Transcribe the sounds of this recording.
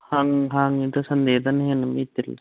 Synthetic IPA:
haŋɦaːŋit̪ɐsɐnd̪eːd̪ɐnɦenɐmit̪ːil

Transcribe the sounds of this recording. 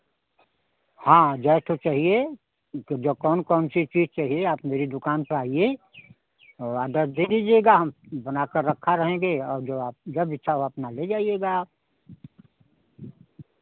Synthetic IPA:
hãːd͡ʒɛːɪʈʰot͡ʃaːɦie | d͡ʒokɔːnkɔːnsit͡ʃiːd͡ʒt͡ʃaːɦieaːpmeːɾid̪ʊkaːnpəɾaːie | ɔːaːd̪əɾd̪ed̪id͡ʒieɡaɦɐmbənakəɾːəkʰːaɾəɦẽːɡeɔːɾd͡ʒoːaːp̚d͡ʒəbɪtːʃʰaoəpnaled͡ʒaːijeːɡaːp̚

